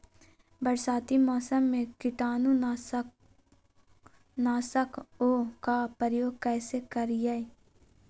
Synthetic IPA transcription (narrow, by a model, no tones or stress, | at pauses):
bəɾsaːt̪imɔːsəmːẽkɪʈaːnũ | naːsəkoːkapəɾjoːɡ̚kɛːsekəɾjai